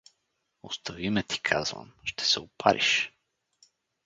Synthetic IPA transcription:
ost̪ovimɛt̪i̥kʰazvɐ̰mʃt̪ɛ̥sɛʊpʰa̰ɾʔḭʃ

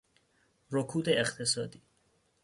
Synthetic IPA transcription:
ɾokʰuːd̪eːχt̪ʰesɒːd̪iː

